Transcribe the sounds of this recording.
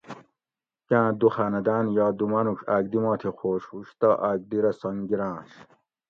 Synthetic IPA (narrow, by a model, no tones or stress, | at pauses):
kãːd̪uxanɐd̪anjɑːd̪umanuʂaɡd̪imɔːt̪ʰixoːɕhuɕt̪ɐʔaɡ̚d̪iɾɐsɐŋɡiɾãːɕ